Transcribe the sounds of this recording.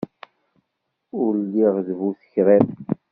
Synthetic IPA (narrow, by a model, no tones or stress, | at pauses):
ʊɾlːiʁðvuθə̥çɾem